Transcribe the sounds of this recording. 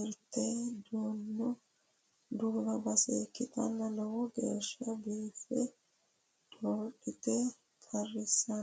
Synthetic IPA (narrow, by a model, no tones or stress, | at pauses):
ɛɾt̪ːed̪oːnːɔ | d̪ʊːbɐbɐseːkːɪt̪ɐ̰nːɐnɐwʊɡḛːʃːɐbiːfːɛ | d̪oɾɗɪt̪ɛ | kʰɐrːɪsːɐn